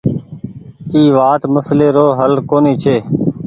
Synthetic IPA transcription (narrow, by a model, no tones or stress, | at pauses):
iːʋaːt̪məsleːɾoːɦəlkoːneːt͡ʃʰeː